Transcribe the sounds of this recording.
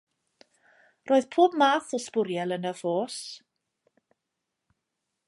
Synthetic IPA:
roːð̥pʰoːbmaːθɔspʊɾjɛlˠənəvoːs

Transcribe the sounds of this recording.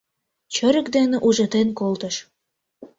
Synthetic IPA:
t͡ɕə̆ɾə̆kd̪enĕʔuʒə̆t̪enkolt̪əʃ

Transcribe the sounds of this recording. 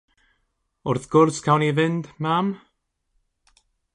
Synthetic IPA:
ʊrθɡ̥ʊrskʰawnivɪnd̥mam

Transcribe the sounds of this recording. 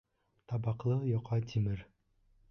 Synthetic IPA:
t̪ɑbɑqlˠɤjoqʰɑt̪ʰimɘɾ

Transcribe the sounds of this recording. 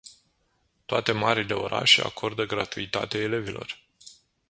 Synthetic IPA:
t̪oat̪e̞maɾile̞o̞ɾa̰ʃea̰kʰo̞rd̪əɡɾat̪uit̪a̰t̪eaele̞velo̞̰r

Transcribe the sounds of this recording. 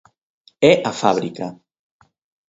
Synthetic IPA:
ɛʔafaβ̞ɾika

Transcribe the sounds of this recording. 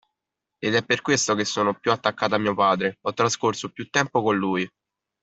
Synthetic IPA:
ed̪ɛpːerkwest̪okesːoːnopjuat̪ːakːaːt̪amiːopaːd̪ɾeɔt̪ːɾaskorsopjut̪ːɛmpokonluːj

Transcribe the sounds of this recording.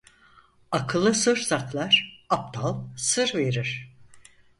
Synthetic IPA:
akʰɯlˠɯsɯɾsaklˠaɾ̥ap̚t̪ʰalˠsɯɾveɾiɾ̥

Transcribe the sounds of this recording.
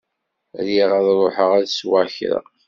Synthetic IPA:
æ̰ljiʁæðɾˤoħəʁæðswæçɾə̰

